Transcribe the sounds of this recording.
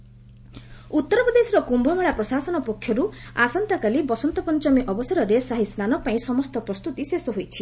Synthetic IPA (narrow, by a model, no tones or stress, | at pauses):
ut̪ːɔɾɔpɾɔd̪esɔɾɔkumbʱɔmeɭapɾɔsasɔnɔpɔkʰːjɔɾuasɔnt̪akalibɔsɔnt̪ɔpɔnt͡ʃɔmiʔɔbɔsɔɾɔɾesaɦisnanɔpaĩsɔmɔst̪ɔpɾɔst̪ut̪isesɔɦojt͡ʃʰi̥